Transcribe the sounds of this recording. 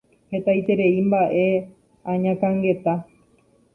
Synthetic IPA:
he̞t̪ajt̪e̞ɾe̞imbaʔe̞ | ãɲãkãŋɡe̞t̪a

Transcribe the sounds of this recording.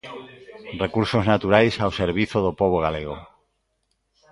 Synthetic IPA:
rrekuɾsoznat̪uɾajsawseɾβ̞iθoð̞opoβ̞oɣ̞aleɣ̞o

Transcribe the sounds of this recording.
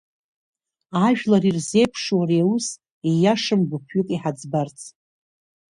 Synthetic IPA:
aʒᶣlarirze̞jpʰʂwaɾeawus | ejaʂɨmɡʷʊpʰɥʊkʼiħad͡zbart͡sʰʼ

